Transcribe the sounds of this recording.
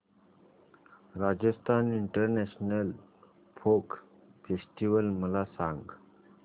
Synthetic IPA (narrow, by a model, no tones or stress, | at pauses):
ɾad͡ʑəst̪ʰaniɳʈəɾnɛɕnəl | pʰok | fesʈiʋəlməlasãŋɡ